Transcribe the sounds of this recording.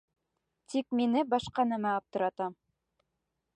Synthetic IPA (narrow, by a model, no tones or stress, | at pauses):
t̪ik̚minɘbɑʃqɑnæmæɑp̚t̪ɤ̆ɾɑt̪ɑm